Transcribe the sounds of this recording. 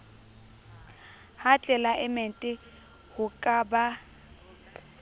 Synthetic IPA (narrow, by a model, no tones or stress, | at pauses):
hat͡ɬʼɛlaʔɪmentʼɪ | hʊkʼaːba